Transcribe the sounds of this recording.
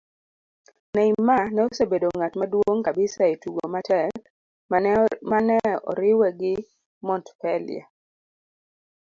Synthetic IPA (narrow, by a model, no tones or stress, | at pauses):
nɛimanɛosebedoŋatmadwoŋkabɪsaetuɡomatɛk | manɛɔ̰ɾɪwɛɡɪ | mɔntpɛlɪ̰a̰